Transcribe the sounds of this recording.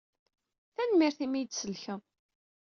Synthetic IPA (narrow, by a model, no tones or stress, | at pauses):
θænmiɾθimijd̪səlçə